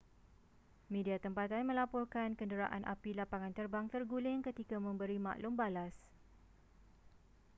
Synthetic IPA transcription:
mẽdiat̪əmpat̪anmə̃lapɔrkankəndəɾaʔa̰nʔa̰pilapaŋãnt̪ərbaŋt̪ərɡulɪŋkət̪ikamə̃mbəɾima̰ʔlʊmbalas

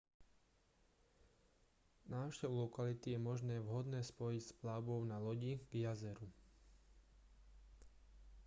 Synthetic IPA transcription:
naːʊʃcɛʋulɔkalit̪ijɛmɔʒnɛːʋɦɔd̪nɛːspɔjicsplaʊbɔʊnalɔɟiɡ̥jazɛɾu

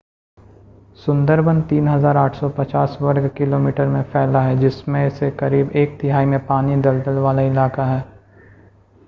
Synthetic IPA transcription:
sʊ̃nd̪əɾbə̃nt̪iːnɦɐzaːɾaːʈʰsɔpɐt͡ʃaːswɐɾɡkɪloːmiːʈəɾmẽfɛːlaɦɛd͡ʒɪsmẽɪsekɐɾiːbeːk̚t̪ɪɦaːimẽpaːnid̪ɐld̪əlʋaːlaɪlaːkaɦɛː

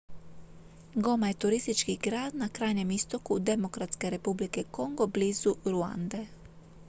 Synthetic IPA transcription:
ɡo̞majet̪uɾist̪it͡ʃkiɡɾaːd̪nakɾaːjɲe̞mist̪o̞kud̪emokɾat̪skeɾe̞publikeko̞ŋɡobliːzuɾua̰nd̪e

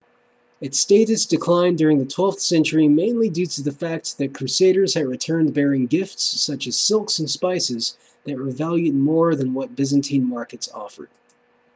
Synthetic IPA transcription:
ɨtsteɪɾɨsd̥ɨkʰl̥ãɪ̃ndʊɹɪ̃ŋðɨtʰw̥ɛlˠfθsɛ̃nt͡ʃə˞imẽɪ̃nlidjʉɾɨðɨfæk̚t̚ðɨt̚kʰɹ̥ʉseɪɾə˞z̥ɨd̚ɹɨtʰɜ̃˞nbɛɹɪ̃ŋɡɪftsːʌt͡ʃɨz̥sɪlˠksn̩spaɪsɪz | ðɨt̚wə˞vælˠjʉd̚mɔɹðɨ̃nwʌt̚b̥ɪzɨ̃n̩tʰĩnmɑɹkɨtsɔ̰fə̰˞d̥

